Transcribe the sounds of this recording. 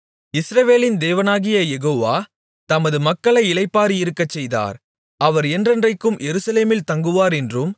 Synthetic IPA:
ɪsɾɐʋeːlɪnd̪eːʋɐnaːɣɪjɐjɛɣoːʋaː | t̪ɐmɐðɯmɐkːɐɭɐɪɪlɐɪpːaːɾiɪɾɯkːɐt͡ʃːɛjða̰ːɾ | ɐʋɐɾɛndrɐndrɐɪkːɯmjɛɾɯsɐleːmɪlt̪ɐŋɡɯʋaːɾɛndrɯm

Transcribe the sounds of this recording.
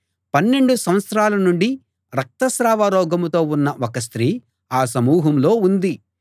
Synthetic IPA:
pɐnːe̞ɳɖusɐmʋɐt̪sɾaːlɐnuɳɖi | ɾɐk̚t̪ɐsɾaːʋaɾɔːɡɐmt̪o̞ːunːɐʔɔkɐs̬t̪ɾiː | aːsɐmuːɦɐmlo̞ːund̪i

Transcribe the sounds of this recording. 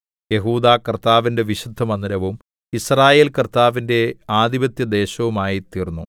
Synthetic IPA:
je̞ɦuːd̪aːkɐrt̪aːʋinde̞ʋiɕud̪ʱːɐmɐnːiɾɐʋum | israːje̞ːlkɐrt̪aːʋinde̞aːd̪ibɐt̪jɐd̪e̞ːɕɐʋumaːjit̪iːrnːṵ

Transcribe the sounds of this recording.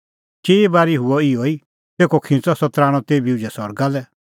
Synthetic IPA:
t͡ʃeːebaːɾiɦʊɔioi | t̪eːkɔkʰɪ̃t͡sɔsɔt̪ɾaːɽ̃ɔ̃t̪eːbiud͡ʒɛsɔɾɡalɛ

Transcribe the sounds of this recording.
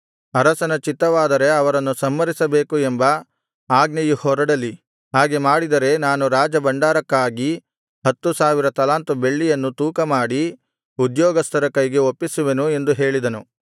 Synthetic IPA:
ɐɾɐsɐnɐt͡ʃit̪ːɐʋaːd̪ɐɾe̞ɐʋɐɾɐnːusɐmːɐɾisɐbe̞ːkuembɐ | aːɡnɐjuhɔɾɐɽɐlːi | ɦaːɡemaːɽid̪ɐɾe̞naːnuɾaːd͡ʒɐbɐɳɖaːɾɐkːaːɡi | ɦɐt̪ːusaːʋiɾɐt̪ɐlaːnt̪ube̞ɭːijɐnːut̪uːkɐmaːɽi | ud̪jɔːɡɐst̪ʰɐɾɐkɐjɡe̞opːisuʋenue̞nd̪uɦe̞ːɭid̪ɐnu

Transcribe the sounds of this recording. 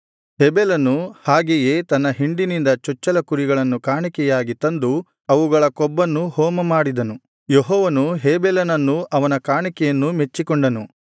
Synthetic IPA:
hebelɐnuhaːɡeje̞ːt̪ɐnːɐɦiɳɖinind̪ɐt͡ʃɔt͡ʃːɐlɐkuɾiɡɐɭɐnːukaːɳikɛjaːɡit̪ɐnd̪u | ɐʋuɡɐɭɐkɔbːɐnːuhɔːmɐmaːɽid̪ɐnu | jeɦɔːʋɐnuɦeːbelɐnɐnːuʔɐʋɐnɐkaːɳikɛjɐnːumet͡ʃːikɔɳɖɐnu

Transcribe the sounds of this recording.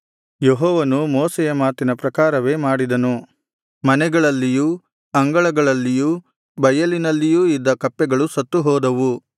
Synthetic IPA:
jeɦɔːʋɐnumɔːsɛjɐmaːt̪inɐpɾɐkaːɾɐʋe̞ːmaːɽid̪ɐnu | mɐnɛɡɐɭɐlːiju | ɐŋɡɐɭɐɡɐɭɐlːijuː | bɐjɐlinɐlːijuːid̪ːɐkɐpːɛɡɐɭusɐt̪ːuɦɔːd̪ɐʋu

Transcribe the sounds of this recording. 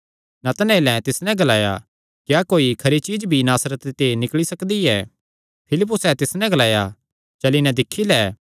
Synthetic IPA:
nɐt̪ɐnɛelɛ̃t̪ɪsnɛ̃ɡɐlaːja̰ | kjaːkoːikʰɐɾit͡ʃiːd͡ʒbʱinaːsɾət̪t̪enɪkɭisɐkd̪iɛː | pʰɪlɪp̬ːʊsɛt̪ɪsnɛ̃ɡɐlaːja | t͡ʃɐlinɛ̃d̪ɪkʰːilɛː

